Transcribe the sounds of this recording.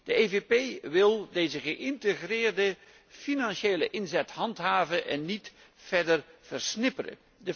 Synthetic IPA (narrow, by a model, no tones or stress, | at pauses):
d̥əevepejʋɪlˠdejzəχəʔɪntəχrɪːrdə | finɑnʃeːləʔɪnzɛtɦɑntɦaːvənʔɛnːit | fɛɹdərv̥ərsnɪpərə̰ | də